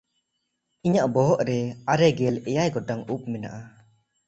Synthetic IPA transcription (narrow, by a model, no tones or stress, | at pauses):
iɲaʔbɔɦɔʔɾɛaɾɛɡɛlɛjajɡɔʈaŋup̚mɛna̰ʔa